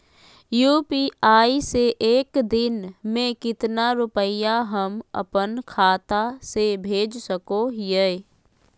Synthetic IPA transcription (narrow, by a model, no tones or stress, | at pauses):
juːpiaːiseʔeːkd̪ɪnmẽkɪt̪naɾʊpəjaɦəmə̰pənkʰaːt̪asebʱeːd͡ʒsəkoɦje